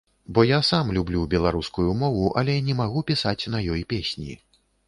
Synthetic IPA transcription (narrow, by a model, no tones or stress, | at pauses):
bɔjasamlʲublʲubʲɛlˠaɾuskujumɔvuʔɐ̰lʲɛnʲɛmaɣupʲisat͡sʲnɐjɔjpʲesʲnʲḭ